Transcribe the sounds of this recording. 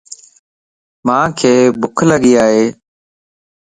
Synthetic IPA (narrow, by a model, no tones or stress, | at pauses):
mãːkʰeːbʊkʰləɠiːaːɦeː